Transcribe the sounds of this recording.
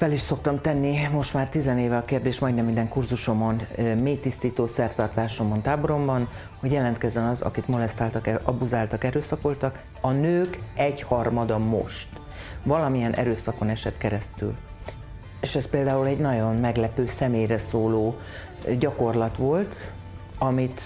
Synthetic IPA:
fɛliʃso̞kt̪ɒmt̪ɛnːimo̞ʃt̪maːrt̪izɛneːvɛɒkeːrd̪eːʃmɒjd̪nɛmind̪ɛŋkurzuʃo̞monmeːt̪ist̪iːt̪oːsɛrt̪ɒrt̪aːʃo̞mont̪aːboɾo̞mbɒn | ho̞ɟjɛlɛnt̪kɛzɛnɒzɒ̰kit̪mo̞lɛst̪aːlt̪ɒkɛɒbuzaːlt̪ɒkɛɾøːsɒkʋo̞lt̪ɒk | ɒnøːkɛɟhɒrmɒd̪ɒmo̞̰ʃt̪ | ʋvɒlɒmijɛnʔɛ̰ɾøːsɒko̞nɛʃɛt̪kɛɾɛst̪y̰l | eːʃɛspeːld̪aːulɛɟnɒɟo̞nmɛɡlɛpøːsɛmeːjrɛsoːloː | ɟɒko̞rlɒt̪ʋo̞lt̪ | ɒmit̪

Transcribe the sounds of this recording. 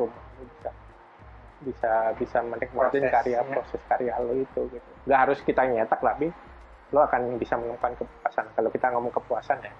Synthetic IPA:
umahlobisa | bisabisamənɛk̚mad͡ʒɛnkaɾiapɾosɛskaɾialoit̪uɡit̪uŋɡaʔhaɾʊskit̪aɲat̪ak̚labih | loakanbisamənuŋkuankəpuasankalokit̪aŋomɔŋkəpuasanja

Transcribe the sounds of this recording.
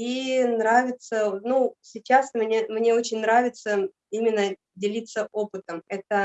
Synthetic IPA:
inɾavʲɪt̪sənusʲɪt͡ɕasmnʲemnʲe̞o̞t͡ɕɪnʲnɾavʲɪt̪sə | imʲɪnːə | dʲɪlʲit̪səʔo̞pɨt̪əmɛt̪ə

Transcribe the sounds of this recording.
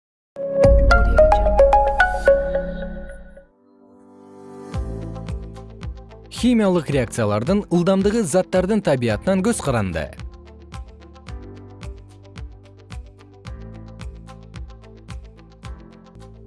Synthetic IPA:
xʲijmʲijalˠəqrʲe̞ak̚t̪sɨjalˠɑɾd̪əɴəlˠd̪ɑmd̪əʁəzɑt̪ːɑɾd̪əɴt̪ʰɑbijɑt̪ənɑŋkʲʰɵz̥qʰɑɾɑnd̪ə̰

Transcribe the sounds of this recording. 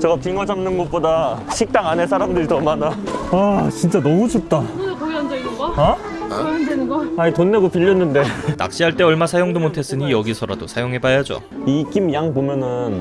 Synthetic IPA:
t͡ɕʌɡapiŋwʌd͡ʑamnɯnɡop͈odaɕʰik̚t͈aŋanesʰaɾamdɯɾitʌmadaat͡ɕint͡ɕ͈anʌmut͡ɕup̚t͈ana | aitonːeɡopiʎːʌnːɯnde̞ta̰k̚ɕ͈iɦaɭt͈e̞ʌɭmasʰajoŋdomotʰe̞s͈ɯɲijʌɡisʰʌɾa̰dosʰajoŋɦe̞bajad͡ʑo̰ | ik͈imjaŋpomjʌnɯn

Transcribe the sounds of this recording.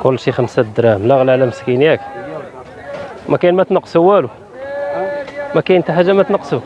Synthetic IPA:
kʊlːʃixənsæd̪ɾˤɑmlɑɣlʕlæməskinjæk | mækæjnmæt̪nɑqːsuwːælu | mækæjənt̪aħaʒːæmæt̪nɑqːsu

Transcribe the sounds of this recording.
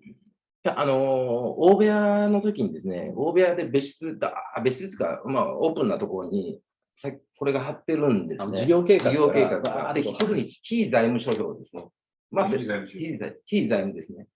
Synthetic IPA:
haʔano̞oːbe̞ano̞t̪o̞kʲiɲ̟id̪e̞sɨne̞̰o̞ːbe̞ad̪e̞be̞ɕi̥t͡sɨt̪aaabe̞ɕiɨt͡sɨ̥ka̰ma̰o̞ːpɯ̟̃nːat̪o̞ko̞ɾo̞ɲ̟i | sakʲko̞ɾe̞ɡaɦat̪ːe̞ɾɯ̟̃nd̪e̞sniɡʲoːkeːd͡ʑiɡʲo̞ːke̞ːkakɯka̰d̪et̪o̞kɯ̟ɲ̟i̥kʲiːzaimɯ̟ɕo̞ːçʲo̞ːd̪e̞sɨne | maikʲiːzaimɯd̪e̞sɨne̞

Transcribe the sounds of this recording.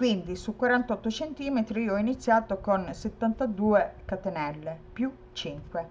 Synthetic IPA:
kwind̪isukwaɾant̪ɔt̪ːot͡ʃent̪iːmet̪ɾiiːoɔinit̪sːjaːt̪okonset̪ːant̪ad̪uːekat̪enɛlːepju | t͡ʃiŋkwe

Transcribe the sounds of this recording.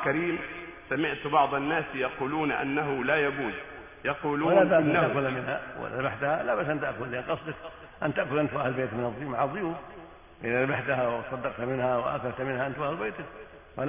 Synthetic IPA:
kaɾiːm | samɪʕt̪bɑʕd̪ˤɑnːaːsjɑquːluːnʔa̰nːaɦʊlajaɡuːd | jɑquːluːalabaːaʔkʊlamɪnha̰w̰ɪ̰ðaɾabaħt̪ahalabaʔsʔant̪aʔkʊlːiʔanqɑsˤd̪ɑk | ʔant̪aʔkʊlʔant̪ʔahlɪlbeːt̪mɪnɑðˤːʊjumaʕðˤːʊjuːf | ʔɪðaɾabaħt̪aɦawɪsˤɑd̪ːɑqt̪amɪnhawɪʔa̰kalt̪mɪnhaʔant̪wʔahlbeːt̪ak | fa

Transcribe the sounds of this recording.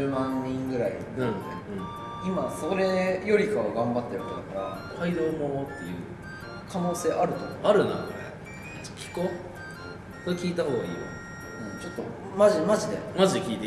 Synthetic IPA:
mãɲːĩŋɡɯ̟ɾaḭ̃ | imaso̞ɾe̞jo̞ɾʲikaβaɡãmbat̪ːejaked̪akaɾa̰kʰaid̪oːmot̪ːe̞jɯ̟̰ː | kʰano̞ːse̞ːʔaɾɯ̟t̪okoaɾɯ̟na̰̥ | kʲʰi̥ko | skʲiːt̪aho̞ːɡaiːma̰ | ɯ̟̃t͡ɕo̞t̪ːo̞̰ | maʑimaʑid̪e̞̰maʑid̪kʲiːt̪e

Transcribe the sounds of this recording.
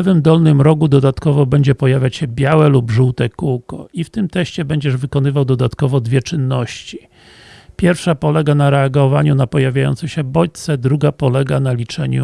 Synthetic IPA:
ɛvɘmd̪ɔlnɘmɾɔɡud̪ɔd̪at̪kɔvɔbɛɲd͡ʑɛpɔjavʲjat͡ɕɕɛbʲjawɛlubʐuwt̪ɛkuwkɔ̰ift̪ɘmt̪ɛɕt͡ɕɛbɛɲd͡ʑɛʐvɘkɔn̪ɘvawd̪ɔd̪at̪kɔvɔd̪vʲjɛt͡ʂɘnːɔɕt͡ɕi̥ | pʲjɛɾfʂapɔlɛɡanaɾɛaɡɔvaɲunapɔjavʲjajɔ̰nt̪sɛɕɛbɔt̪sɛd̪ɾuɡapɔlɛɡanalʲit͡ʂɛ̰ɲṵ

